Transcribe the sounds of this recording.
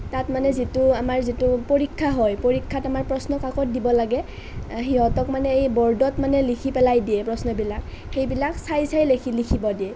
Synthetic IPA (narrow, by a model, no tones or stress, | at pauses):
tatmanɛzituamaɹzitupoɹikʰːaɦɔjpoɹikʰːatamaɹpɹɔsnɔkakɔt̚dibɔlaɡɛ | ɦiɦɔtɔkmanɛejbɔɹdɔtmanɛlikʰipɛlajdiɛpɹɔsnɔbilak | xejbilaksajsajlekʰilikʰibɔdiɛ